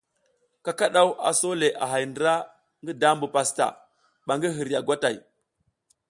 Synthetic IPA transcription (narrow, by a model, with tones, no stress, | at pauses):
ka˨ka˦ɗa˦wa̰˨so˦le˨ʔa˨ɦa˨jndɾa˦ | ŋɡi˦da˦mbu˨pa˨sta̰˨ | ɓa˨ŋɡi˦ɦi˨ɾja˨ɡʷa˦ta˨j